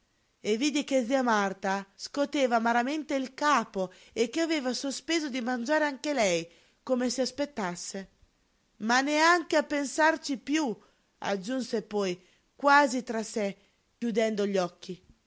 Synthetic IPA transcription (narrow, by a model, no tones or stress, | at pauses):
eviːd̪ik̟ed̪ziamart̪askot̪eːvamaɾament̪eilkaːpo | ekːeaveːvasospeːzod̪imand͡ʒaːɾeaŋkelɛj | komesiaspet̪ːasːe | maneaŋkeapːensart͡ʃipju | a̰d͡ʒːunsepɔj | kwaːzit̪ɾasɛ | kjud̪ɛnd̪oʎɔkːi